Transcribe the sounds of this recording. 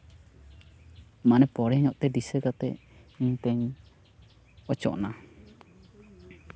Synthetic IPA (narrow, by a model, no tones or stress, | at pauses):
manɛpɔɽɛɲɔʔt̪ɛd̪isəkat̪ɛ̰iɲt̪əɲ | ɔt͡ʃɔ̰ʔna